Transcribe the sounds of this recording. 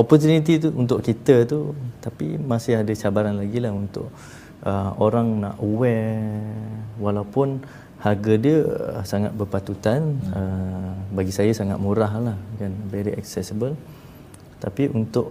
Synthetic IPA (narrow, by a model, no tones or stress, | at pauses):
ɔpɔrt̪̬unit̪̬it̪̬uunt̪ʊʔkit̪ət̪ut̪apḭmasɪhadəsabaɾanlaɡilahunt̪ʊ̰ʔ | ʔəoɾaŋna̰ʔuwɛ | walaupʊn | harɡədiəə̰saŋa̰t̪̚bərpat̪ut̪anəbaɡisajasaŋa̰t̪̚muɾaɦlahkanbɛɾiʔɛksɛsibəl | t̪apiʔunt̪ʊʔ